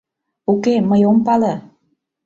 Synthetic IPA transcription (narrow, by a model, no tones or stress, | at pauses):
ukeməjompɑle